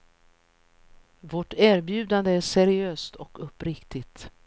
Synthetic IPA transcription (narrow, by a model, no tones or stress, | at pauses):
vɔʈæːɾbjʉ̟ːd̪and̪əæʂɛɾɪøːst̪ʰɔkɵpːɾɪkt̪ɪt̪